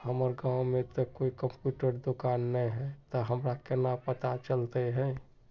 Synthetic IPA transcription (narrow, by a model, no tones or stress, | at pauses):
həməɾɡãːwmẽt̪okoikəmpjuːʈəɾd̪okaːnːəɦɛt̪ɔɦəmɾakenapət̪at͡ʃəlt̪eɦɛ̃ː